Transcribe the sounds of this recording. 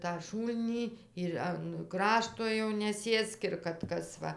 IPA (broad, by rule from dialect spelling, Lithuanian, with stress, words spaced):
tɑː ˈʃuːlʲnʲiː ɪr ɐn ˈkrɑːʃtoː jɛʊ nʲɛˈsʲeːsk ɪr kɐt ˈkɐs ˈʋɐ